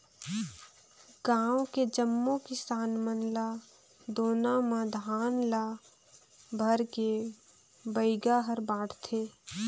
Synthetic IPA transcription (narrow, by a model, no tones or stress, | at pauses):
ɡãːwked͡ʒəmːokɪsaːnmənla | d̪oːnamãd̪ʱaːnla | bʱəɾke | bəɪɡaɦəɾbaːɽ̤t̪ʰeː